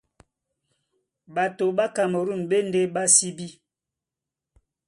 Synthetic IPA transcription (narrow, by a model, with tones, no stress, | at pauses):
ba˨to˨ba˦ka˨mo˨ɾu˦˨nbe˦n˦de˦ba˦si˦bi˦